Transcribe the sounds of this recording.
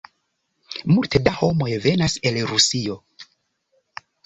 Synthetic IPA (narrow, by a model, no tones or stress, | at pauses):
multe̞daho̞mo̞jve̞nase̞lɾusio̞